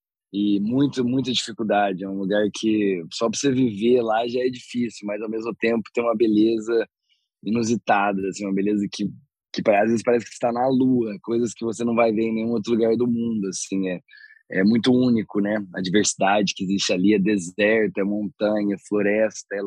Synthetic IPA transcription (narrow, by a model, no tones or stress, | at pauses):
ɪmũj̃t̪ʊmũj̃t̪ɐd͡ʒifikuwd̪ad͡ʒɪɛũluɡaɾkʰɪsɔpɾɐseviveɾlaʒaɛd͡ʒifisjʊmɐzawmezmʊt̪ẽmpʊt̪ẽj̃ũmɐbelezɐ | inuzit̪ad̪ɐasĩũmɐbelezɐkɪ | kɪpaazvezɪspaɾɛs̬ɪ̥kɪ̥st̪anɐluɐkojzɐskɪvos̬enɐ̃w̃vajveɾẽnẽj̃ũowt̪ɾʊluɡaɾd̪ʊmũnd̪ʊasĩɛ | ɛ̰mũj̃t̪ʊũnikʊnɛɐ̰d͡ʒiveɾsid̪ad͡ʒɪkɪɪzist͡ʃɪaliɐd̪ezɛɾt̪ɐɛmõnt̪ɐ̃ɲɐfloɾɛst̪ɐɛ